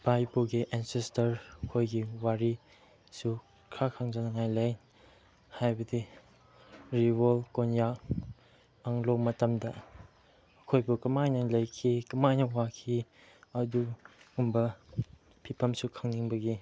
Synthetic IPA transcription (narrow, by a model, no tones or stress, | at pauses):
b̥ajpoɡiʔɛnsestɐɾɐkʰojɡiwaɾi | su | kʰakʰaŋd͡ʒɐnɐŋajlɐj | hajbɐdi | ɾiwolkonjak | ɐŋlomɐtɐmdɐ | ɐkʰojbukɐmajnɐlɐjkʰikɐmajnɐwakʰi | ɐduumbɐ | pʰipʰɐmsukʰaŋniŋbɐɡi